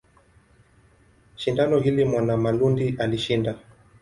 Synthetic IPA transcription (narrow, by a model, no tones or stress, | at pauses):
ʃindanɔɦilimwanamalundiʔaliʃinda